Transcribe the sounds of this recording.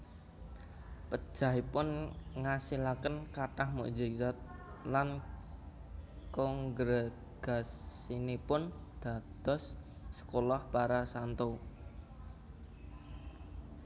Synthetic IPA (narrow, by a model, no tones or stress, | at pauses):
pəd̥ʒ̥a̤ɦipʊnŋasilakənkaʈahmṵʔd͡ʒizat̪̚lan | kɔŋɡɾe | ɡ̥assinipʊnd̪̥a̤d̪̥ɔ̤sː | ə̥kolahpaɾasant̪o